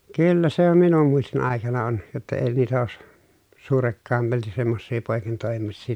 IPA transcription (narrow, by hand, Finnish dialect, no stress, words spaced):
kylːæ se om minum muistin ɑˑekɑnɑ on jotːɑ eː niːtæ oːs suːrekːɑˑemɑlti semːosːiː poˑekintoˑemisːiː